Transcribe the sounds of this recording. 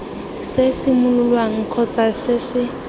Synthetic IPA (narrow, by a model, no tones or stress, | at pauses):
sɪsɪmʊlʊlwaŋ̩kʰɔt͡sʼasɪsɪ